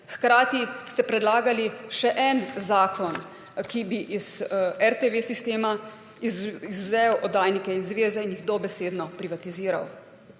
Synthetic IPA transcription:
xkɾaːt̪ist̪ɛpɾɛd̪laːɡaliʃɛʔɛnzaːkɔn | kibiʔiz̥ɛɾt̪eʋesist̪eːma | iizuwzɛwɔd̪aːjnikɛinzʋeːzɛinjiɣd̪obɛseːd̪nɔpɾiʋat̪iziːɾa̰w

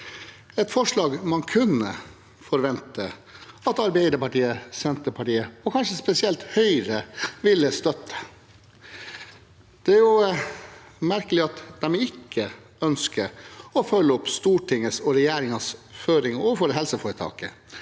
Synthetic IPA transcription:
ɛt̪fɔʂɭɑːɡmɑnkʰʉnə | fɔɾʋɛnt̪əɑt̪ɑɾbæɪd̪əɾpɑʈiːəsɛnt̪əpʰɑʈiːəɔkʰɑnʂəspɛsɪɛlt̪hœʏɾəʋɪlːəst̪œt̪ʰːə̥ | d̪̥ɛæɾjʊ | mæɾkəlɪɑt̪d̪ɛmɪkʰːə | œnskəɔfœlːəʊpst̪uːʈʰɪŋəsɔɾɛjæːɾɪŋɑsføːɾɪŋɔɔfoːɾəɦɛlsəfɔːɾət̪ʰɑ̰ːkə̰

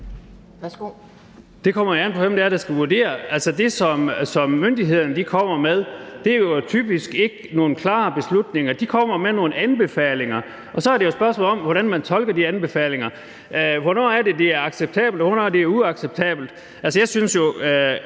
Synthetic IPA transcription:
o | d̥e̝kʰɒ̽m̰ɐjænpʰɒ̽d̥emd̥ææɐd̥æ̈sɡ̥æʋuɐd̥e̝̰ːɐʔælsəd̥e̝sɒ̽msɒ̽mːønd̥iɦe̝ð̰ˠɐnəd̥ikʰɒ̽m̰ɐmeð̞ˠd̥e̝ɐjo̝t͡sʰy̰ːb̥isɡ̥e̝ɡ̥əno̝ːn̩kʰlɑ̰̈ːb̥e̝slud̥ne̝ŋɐd̥ikʰɒ̽m̰ɐmeðno̝ːn̩ænb̥e̝fɛ̰ːle̝ŋɐ | ʔɒ̽sɒ̽æɐɾejo̝sb̥ɶɐsmo̰ːlɒ̽mʋɒɾænmænt͡sʰɒ̽lɡ̥ɐdiænb̥e̝fɛ̰ːle̝ŋɐ | ʋɒnɒ̰ːæɐɾe̝d̥e̝æɐɑ̈ɡ̥seb̥̚t͡sʰɛ̰ːb̥l̩d̥ʋɒnɒ̰d̥e̝uɑ̈ɡ̥seb̥̚t͡sʰɛ̰ːb̥l̩d̥ | ælsəjaɪsynsjo̝

